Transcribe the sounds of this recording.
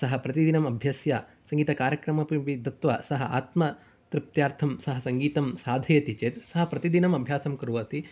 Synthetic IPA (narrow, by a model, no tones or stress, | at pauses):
sɐɦɐpɾɐt̪id̪inɐmɐbʱjɐsjaː | sɐ̃ŋɡiːt̪ɐkaːɾjɐkɾɐmɐpiʋid̪ɐt̪ʋɐsɐɦɐʔaːt̪mɐ | t̪ɾɪp̚t̪jaːɾt̪ʰɐmsɐɦɐsɐŋɡiːt̪ɐmsaːd̪ʱɐjɐt̪it͡ʃeːt̪sɐɦɐpɾɐt̪id̪inɐmɐbʱjaːsɐmkɾuʋɐt̪i